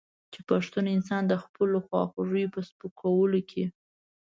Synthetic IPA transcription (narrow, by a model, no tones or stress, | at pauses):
t͡ʃepaʂt̪unɪns̬ɑnd̪əxpəloxwɑ̰xʊʐəjpəspəkʰawəlokʰe